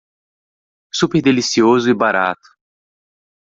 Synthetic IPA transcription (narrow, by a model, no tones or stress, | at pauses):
supeɾd̪elisiozʊibaɾa̰t̪ʊ̥